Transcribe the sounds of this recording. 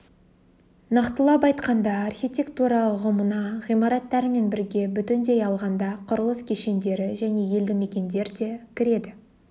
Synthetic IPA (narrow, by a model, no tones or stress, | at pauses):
nɑqt̪əlˠɑpɑjt̪qɑnd̪ɑːrxʲijt̪ʲe̞kt̪uɾɑlˠəqʁʊmənɑʁijmɑɾɑt̪ːɑɾɪme̞nbɪɾɡʲe̞bʏt̪ɪnd̪e̞jɑlˠʁɑnd̪ɑqʰʊɾəlˠəskʲʰeʃe̞nd̪e̞ɾɪʒæne̞je̞ld̪ɪme̞kʲe̞nd̪e̞ɾd̪e̞kʲʰɪɾe̞d̪ɪ